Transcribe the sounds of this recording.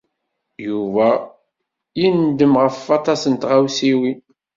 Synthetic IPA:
juvæ | jind̪əmʁəfːɑt̪ˤɑsənt̪ʁawsiwi

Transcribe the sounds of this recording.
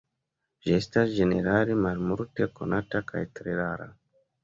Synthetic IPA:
ʒestasd͡ʒeneɾaɾimaɾmuɾteko̰natakʰa̰jtɾeɾaɾa̰

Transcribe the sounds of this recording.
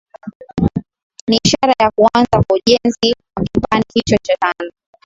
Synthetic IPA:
niːʃaɾajakuanzakwauʄɛnziwakipanihit͡ʃɔt͡ʃatanaɔ

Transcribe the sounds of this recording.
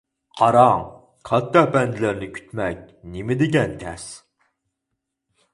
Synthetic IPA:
qʰɑɾɑŋ | qʰɑt̪ːɑbɛnd̪ɪlæɾnɪkʲʰy̥t̪mɛk̚ʲ | nɪmɪd̪ɪɡʲɛnt̪ʰɛs

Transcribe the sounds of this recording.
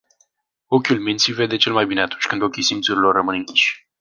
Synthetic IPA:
o̞kʲulmint̪sive̞d̪e̞t͡ʃe̞lmajbine̞at̪unt͡ʃʲkɨnd̪o̞kʲisimt̪suɾilo̞rːəmɨnɨŋkʲi̥ʃʲ

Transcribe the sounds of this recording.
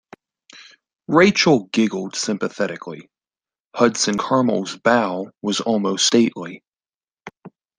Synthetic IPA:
ɹeɪt͡ʃl̩ˠɡɪɡl̩ˠd̥sɪ̃mpɨθɛɾɨkʰlḭ | hʌd̥sɨ̃nkʰɑ˞ml̩ˠzbaʊwʌzɔlˠmoʊststeɪʔli

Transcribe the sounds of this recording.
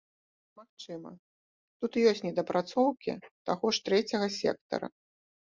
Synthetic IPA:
maxt͡ʂɨmɐ̰ | t̪ut̪jɔsʲtʲnʲɛd̪ɐpɾat̪sɔwkʲḭt̪aɣɔʂt̪ɾɛt͡sʲɐɣɐsʲɛ̰k̚t̪ɐ̰ɾɐ̰

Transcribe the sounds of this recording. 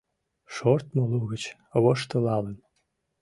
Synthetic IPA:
ʃort̪molˠuɣət͡ɕ | əwoʃt̪əlɑlən

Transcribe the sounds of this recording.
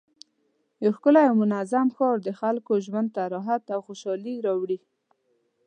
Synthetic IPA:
joxkʊlajawmʊnazamxɔɾd̪əxalkoʒwand̪̚t̪aɾɔɦat̪awxoʃɑliɾɑwɽi

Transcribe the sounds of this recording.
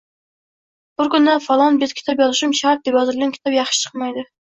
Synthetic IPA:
b̥ʊɾkʲʊnd̪ɛfɑlˠɑnbet̪kʲi̥t̪ʰɑpjɑzɨʃumʃɑt̪̚d̪epjɑzɨɾɡʲɛnkʰʲi̥t̪ʰɑpjɑχʃt͡ʃʰə̥qmɑjd̪ɨ

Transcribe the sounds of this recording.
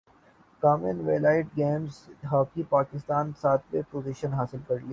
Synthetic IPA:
kaːmenʋeːlaːɪʈɡeːmzɦaːkipaːkɪst̪aːnsaːt̪̚ʰbepoːziʃənɦaːsɪlkɐɾlia

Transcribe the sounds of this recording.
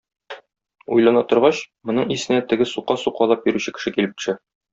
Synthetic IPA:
ujlˠɑnɑt̪ŏɾʁɑɕ | mŏnɤɴisɘ̆næt̪ɘ̆ɡɘsuqːɑsuqɑlˠɑp̚jĭɾʉɕɘkɘ̥̆ʃɘkilɘ̆p̪̚ɘ̥̆ʃɘ

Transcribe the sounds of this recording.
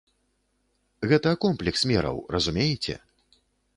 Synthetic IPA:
ɣɛt̪ɐːkɔmplʲɛksmʲɛɾɐ̰wrɐzumʲejɛt͡sʲɛ̰

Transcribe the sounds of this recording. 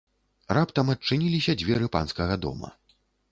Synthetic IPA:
rapt̪ɐmɐt͡ʂːɨnʲilʲisʲɐd͡zʲvʲɛɾɨpa̰nskɐɣɐd̪ɔ̰mɐ̰

